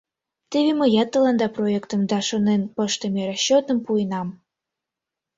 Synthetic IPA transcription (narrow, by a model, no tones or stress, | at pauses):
t̪eβeməjɑt̪ːəlɑnd̪ɑprojekt̪əmd̪ɑʃonenpəʃt̪emeɾɑɕːot̪əmpuenɑm